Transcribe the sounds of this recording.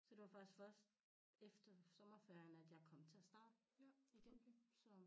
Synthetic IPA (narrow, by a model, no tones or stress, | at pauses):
sɒ̽d̥e̝ʋɑ̈fɶsd̥fɶɐ̰sd̥ | efd̥ɐsɒ̽mɐfæɐɐnæd̥jɑ̈ɪkʰɒ̽m̰t͡sʰe̝æsd̥ɑ̈ːd̥iɡ̥ensɒ